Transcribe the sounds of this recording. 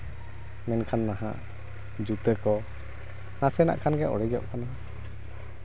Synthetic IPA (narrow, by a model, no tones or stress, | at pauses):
mɛnkʰanːaɦa̰ | d͡ʒut̪əkɔ | nasɛna̰ʔkʰanɡɛʔɔ̰ɽɛd͡ʒɔʔkʰanaɦã